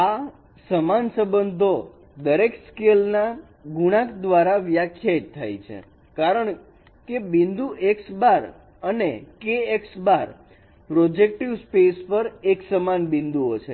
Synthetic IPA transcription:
a | səmansə̃bənd̪ʱo | d̪əɾekskelna | ɡuɽ̃ãkd̪ʋaɾaʋjakʰjat̪ʰːa̰jt͡ʃʰḛ | kaɾəɳ | kebind̪uʔeksbaɾ | ənekeeksbaɾ | pɾod͡ʒek̚ʈiʋspespəɾeksəmanbĩnd̪uot͡ʃʰḛ

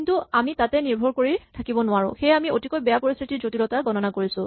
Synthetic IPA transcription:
intuamitatɛniɹbʱɔɹkoɹitʰakibɔnʊaɹʊ̰̃xejamiotikɔjbɛjapoɹist̪ʰitiɹzotilɔtaɡɔnɔnakoɹisʊ̃

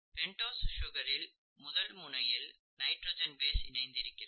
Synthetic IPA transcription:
pɛɳʈoːsʃʊɣɐɾɪl | mʊðɐlmʊɳɐjɪl | nɐɪʈɾoːd͡ʒɐnbeːsɪ̰nɐɪnd̪ɪɾɯkːɪrɐ

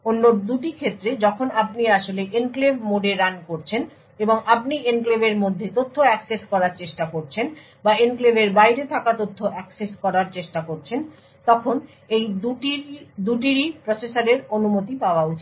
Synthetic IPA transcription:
onːoɾd̪uʈikʰet̪ːɾed͡ʑɔkʰonap̚niaʃoleʔenklebmoɖeɾankoɾt͡ɕʰen | eboŋapnienklebeɾmod̪ʱːet̪ot̪ʰːoɛkseskɔɾaɾt͡ɕeʃʈakoɾt͡ɕʰen | baenklebeɾbajɾet̪ʰakat̪ot̪ʰːoʔɛkseskɔɾaɾt͡ɕeʃʈakoɾt͡ɕʰen | t̪ɔkʰon | ej̪uʈid̪uʈ̬iɾipɾosesaɾeɾonumot̪ipaoaut͡ɕʰi

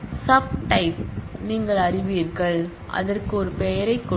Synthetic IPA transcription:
sɐb̚ʈɐɪp̚niːŋɡɐɭɐrɪʋiːɾɣɐɭ | ʔɐ̰ðɐrkɯɔɾɯpejɐɾɐɪkːɔ

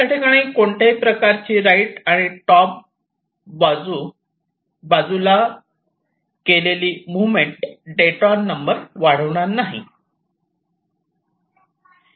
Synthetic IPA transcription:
aʈʰekaɽ̃iːkoɳt̪ʰejpɾəkaɾt͡ɕiːɾaiʈaɽ̃iʈɔp̚ | bad͡zuː | bad͡zula | keleliːmuʋmeɳʈɖeʈɔnːəmbəɾʋaɽ̤əʋɳ̃anaɦḭ

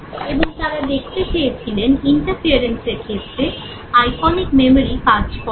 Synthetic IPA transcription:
eboŋt̪aɾad̪ekʰt̪et͡ɕejet͡ɕʰileniɳʈaɾfiaɾenseɾkʰet̪ːɾe | ajkʰɔnikmemoɾikaɾd͡ʑkɔ

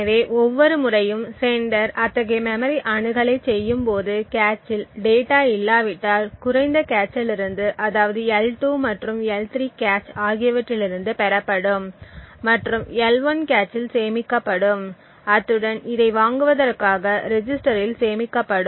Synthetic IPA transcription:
ɐʋeːʔɔʋːɔɾɯmʊrɐjɯmsɛɳɖɐɾʔɐt̪ːɐɣɐmɛmɐɾiʔɐɳɯɣɐɭɐɪt͡ʃsɛjːɯmpoːðɯkaːt͡ʃːɪlɖeːʈaːɪlːaːʋɪʈːaːlkʊrɐɪnd̪ɐkaːt͡ʃːɪlɪɾɯnd̪ɯʔɐðaːʋɐðɯɛlʈuːmɐʈrɯmɛlt̪ɾiːkaːt͡ʃaːɣɪjɐʋɐʈːɪlɪɾɯnd̪ɯpɛɾɐpːɐɽɯmːɐʈrɯmɛlʋɐnkaːt͡ʃːɪlseːmɪkːɐpːɐɽɯm | ɐt̪ːɯɽɐnɪðɐɪʋaːŋɡɯʋɐðɐrkaːɣɐɾɛd͡ʒɪsʈɐɾɪlseːmɪkːɐpːɐɽɯ

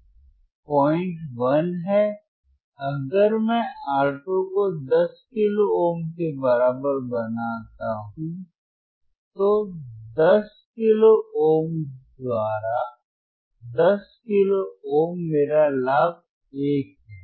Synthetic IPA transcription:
pɔːɪ̃ɳʈʋɐnɦɛ | ɐɡəɾmɛ̃aːɾʈõkod̪ɐskɪlooːmkebɐɾaːbəɾbɐnaːt̪aɦũ | t̪od̪ɐs | kɪlooːmd̪waːɾa | d̪ɐskɪlooːmːeːɾalaːb̚ | eːk̚ɦɛː

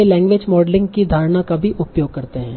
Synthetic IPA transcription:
elɛ̃ːŋɡʋeːd͡ʒmɔːɖlɪ̃ŋɡkid̪ʱaːɾnakabʱiʔʊpjoːɡ̚kɐɾt̪eɦɛ̃ː

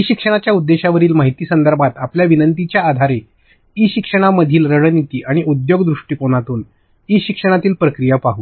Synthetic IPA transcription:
iɕikʂəɽ̃at͡ɕjaud̪ːeɕaʋəɾiːlmaɦit̪iːsənd̪əɾbʱat̪apljaʋinənt̪it͡ɕjaːd̪ʱaɾe | iɕikʂəɽ̃aməd̪ʱiːlɾəɽənit̪iːʔaɽ̃iʔud̪joɡd̪ɾuʂʈiːpoɽ̃at̪uːn | iɕikʂəɽ̃at̪iːlpɾəkɾijapaɦuː

